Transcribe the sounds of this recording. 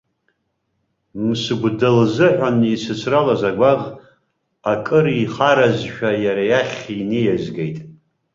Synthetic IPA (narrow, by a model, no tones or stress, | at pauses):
msɨɡʷdalzɨħʷanisɨt͡sʷʰralazaɡʷaʁ | akʼɨɾiχaɾazʃᶣajaɾajaχʲinejazɡejtʼ